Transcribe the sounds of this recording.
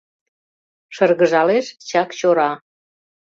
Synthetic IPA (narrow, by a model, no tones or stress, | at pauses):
ʃərɣəʒɑleʃt͡ɕɑkt͡ɕoɾɑ